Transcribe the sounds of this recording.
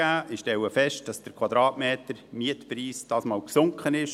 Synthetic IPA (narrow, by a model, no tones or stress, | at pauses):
æːʔɪʃtɛwəfɛʃt̚d̥ɑsd̥əɾkʰwɑd̪ɾɑːtmeːtəɾmiətpɾiːsd̥ɑːsmɑːlksʊŋkχənɪʃ